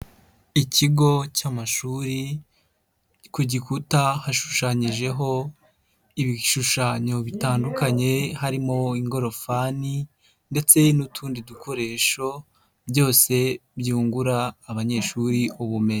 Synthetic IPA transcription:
iciɡo̞camaʃuɾi | kuɟikutahaʃu̥ʃaːɲiʒe̞ɦo̞ | iβiʃuʃaːɲo̞βitaːndukaɲe̞haɾimo̞iŋɡo̞ɾo̞fani | nde̞t͡se̞nutʰuːndidukʰo̞ɾe̞ːʃo̞ | bjo̞ːse̞bjuːŋɡuɾaːβaɲe̞ːʃuɾiuβume̞ɲe

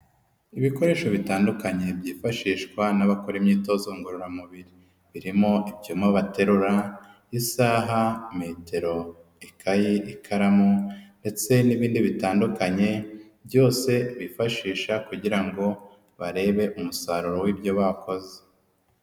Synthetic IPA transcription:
iβiko̞ɾe̞ːʃoβitaːndukaɲe̞bjiːfaʃiːʃkwanaβakoɾimɲiːto̞zoŋɡuɾuɾamuβiɾi | βiɾimo̞ʔibjumaβate̞ɾuɾa | jisaːɦame̞te̞ɾo̞ | ikʰajiʔikʰaɾamunde̞t͡se̞niβiːndiβitaːndukaɲe̞ | bjo̞ːse̞βifaʃiːʃakuɟiɾaŋɡo̞ | βaɾe̞ːβe̞ʔumusaɾuɾo̞wibjo̞βako̞ze̥

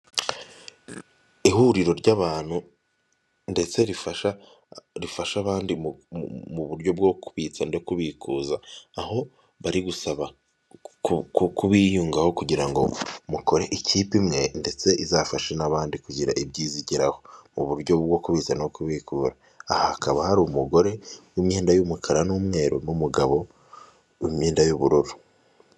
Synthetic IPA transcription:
ihuɾiɾo̞ɾɟaβaːn̥hu | nde̞t͡se̞ɾifaʃa | ɾifaʃaβaːndimumuβuɾɟo̞bɡo̞ku̥βit͡sanokuβikʰuːzaːɦo̞ | βaɾiɡusaβa | kukukuβijuːŋɡaho̞kuɟiɾaŋɡo̞̰muko̞ɾe̞ʔiciːpimŋe̞nde̞t͡se̞ʔizafaʃe̞naβaːndikuɟiɾa̰ʔibɟiːziɟiɾaho̞muβuɾɟo̞bɡo̞kuβiːt͡sanokuβikuːɾaː | hahakaβahaɾumuɡo̞ɾe̞wimɲeːndajumukʰaɾanumŋe̞ːɾo̰numuɡaβo̞ | imɲeːndajuβuɾuɾu

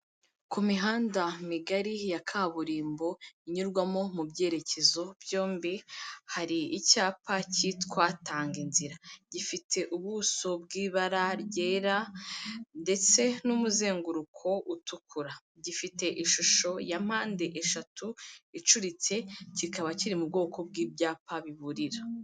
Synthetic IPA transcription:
kumiɦaːndamiɡaɾijakʰaːβuɾiːmbo̞iɲuɾɡwamo̞mubɟe̞ːɾe̞ce̞zo̞bjo̞ːmbihaɾiːcaːpaciːtkwataːŋɡinziɾaɟifitʰe̞ʔuβuso̞bɡiːβaɾaɾɟe̞ːɾa | nde̞t͡se̞numuze̞ːŋɡuɾukʰo̞utʰukuɾa | ɟifite̞ʔiʃuʃo̞jam̥haːnde̞ʔeʃatuit͡ʃuɾit͡se̞cikaβaciɾimubɡo̞ːkʰo̞b̚ɡiːbjaːpaβiβuɾiɾa

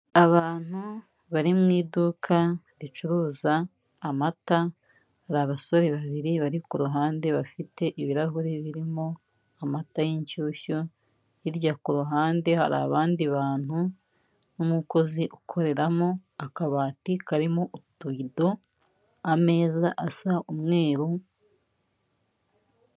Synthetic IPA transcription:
aβaːn̥hu | βaɾimŋiːdukʰa | ɾit͡ʃuɾuːzaː | mata | haɾaβaso̞ɾeβaβiɾiβaɾikuɾuɦaːnde̞βafite̞ʔiβiɾaɦuɾeβiɾimo̞ | amatajiɲcuːçu | jiɾɟakuɾuɦaːnde̞ha̰ɾa̰βaːndiβaːn̥u | numuko̞ziʔukʰo̞ɾe̞ɾamo̞akaβaːtikaɾimoʔutuido̞ | ame̞ːzaʔasaumŋe̞ːɾu

